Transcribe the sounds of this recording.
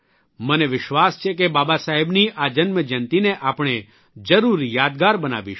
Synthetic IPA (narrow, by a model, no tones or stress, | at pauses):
məneʋɪʃʋast͡ʃʰekebabasaɦɛbniʔad͡ʒənməd͡ʒənt̪ineʔapɽ̃e | d͡ʒəɾuɾjaːd̪ɡaɾbəna̰ʋḭʃ